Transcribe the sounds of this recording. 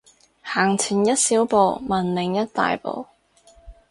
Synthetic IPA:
haː˨˩ŋt͡sʰiː˨˩njɐ˥t̚siː˨˥wpo˧wmɐ˨nlɪ˨˥ŋjɐ˥t̚t̪a̰ː˨jpo̰˨w

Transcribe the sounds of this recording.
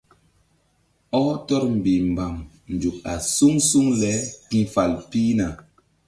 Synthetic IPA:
ɔ˦tɔ˦ɾm̩˨bi˨m̩˨ba˨m | n̩˨d͡ʒu˨k̚a̰˨su˦ŋsu˦ŋlɛ˨˦kĩ˨fa˨lpi˦na˨

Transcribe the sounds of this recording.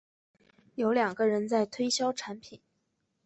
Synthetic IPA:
jo˧˥ʊljɑ˨˩ŋɡə˦ɻə˧˥nt͡sa˥˩ɪt̪ʰwe˥ɪɕjɑ˥ʊʈ͡ʂʰa˧˥npʰi˨˩˦n

